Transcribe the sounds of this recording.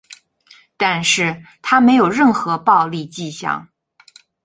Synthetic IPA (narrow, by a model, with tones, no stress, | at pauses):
t̪a˥˧nʂɻ̩˥˩t̪ʰa˥me˧˥ɪjo˨˩ʊɻə˥˩nxɤ˧˥pɑ˥˧ʊli˥˧t͡ɕi˥˧ɕjɑ̰˥˩ŋ